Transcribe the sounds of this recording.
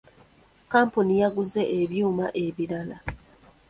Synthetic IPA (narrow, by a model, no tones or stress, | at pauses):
kaːmpunijaɡuze̞ʔeβjuːmaʔeβilala